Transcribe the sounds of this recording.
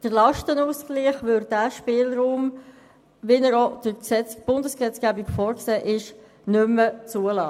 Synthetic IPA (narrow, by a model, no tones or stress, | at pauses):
d̥əɾlɑʃtənuːskliːχʋʏɾdæʃpɪːlɾuːm | ʋinəɾod̥əksɛt͡sb̥ʊndəsksɛt͡skæbikfɔːɾkseːʔɪʃ | nʏmːət͡suəlɑː